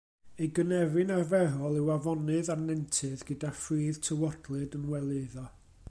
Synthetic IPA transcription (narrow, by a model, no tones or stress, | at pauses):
ejɡənɛvɨnarvɛɾɔlˠɪwavɔnɨðanɛntʰɨðɡədafriːð̥tʰəwɔdlˠɨdənwɛlˠɨðɔ